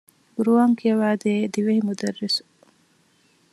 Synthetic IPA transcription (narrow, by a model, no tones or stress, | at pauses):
ɡ̥uɾuaːŋkijɐʋaːd̪eːd̪iʋɐhimud̪ɐrːisu̥